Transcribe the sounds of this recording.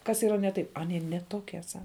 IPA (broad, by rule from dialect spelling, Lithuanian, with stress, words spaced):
kɐs iːˈrɐ nʲɛ ˈtɐɪp ɐˈnʲiɛ nʲɛ ˈtoːkʲiɛ ˈsɐ